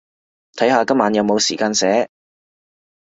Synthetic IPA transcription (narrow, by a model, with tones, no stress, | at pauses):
t̪ʰɐ˨˥jhaː˨˧kɐ˥maː˨˥njɐ˨˧wmo˨˧wsiː˨˩kaː˧nsɛː˨˥